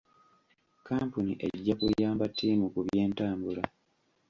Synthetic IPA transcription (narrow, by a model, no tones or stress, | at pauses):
kaːmpuniʔe̞̰ɟːakujaːmbatʰːiːmukuβjje̞ːntaːmbula